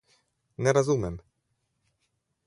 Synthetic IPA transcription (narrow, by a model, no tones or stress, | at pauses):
nɛɾɔzumʲjɛm